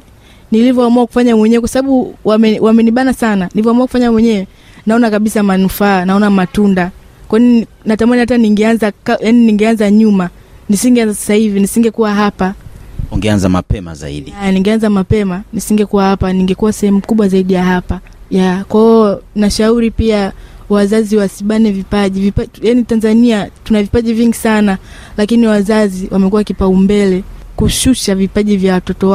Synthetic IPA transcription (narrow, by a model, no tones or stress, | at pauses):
nilivjɔamuaku̥faɲamwɛɲɛwɛkwasaɓaɓuwamɛwamɛniɓanasananilivjɔamuakufaɲawɛɲɛwɛ | naɔnakaɓisamanufaːnaɔnamatunda | kwaini | natamaniataniŋɡɛanzakajaniniŋɡɛanzaɲuma | nisiŋɡɛanzasḁsahivinisiŋɡɛkuwaɦapauŋɡɛanzama̰pɛma̰za̰ḭɗianiŋɡɛanzamapɛmanisiŋɡɛkuwahapaniŋɡɛkuwasɛhɛmukuɓwazaiɗijaɦapa | jakwaɔnaʃauɾipiawazaziwasiɓanɛvipaʄivipajanitanzaniatunavipaʄiviŋɡisana | lakiniwazaziwamɛkuwakipaumbɛlɛkuʃuʃavipaʄivjawatɔtɔ